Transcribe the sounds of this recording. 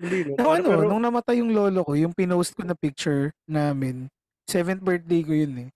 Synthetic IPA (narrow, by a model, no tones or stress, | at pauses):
inɐʔɐnonʊŋnɐmɐt̪ajʊŋlo̞ːloko̞jʊŋpɪnowst̪̚konɐpɪk̚t͡ʃʊɹnaːmɛn | sɛvɛnt̪̚bɛɹt̪̚d̪ejkojʊnɛ